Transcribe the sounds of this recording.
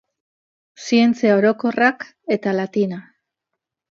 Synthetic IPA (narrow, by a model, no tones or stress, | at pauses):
sie̞nt͡siao̞ɾo̞ko̞rak | e̞t̪alat̪ina